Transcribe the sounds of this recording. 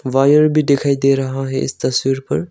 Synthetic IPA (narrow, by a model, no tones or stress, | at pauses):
ʋajəɾbʱid̪ekʰaːjd̪eɾɐɦãɦeʔɪ̰st̪ɐswiːɾpɐɾ